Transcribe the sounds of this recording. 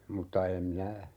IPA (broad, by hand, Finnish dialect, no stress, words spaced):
mutːɑ em minæ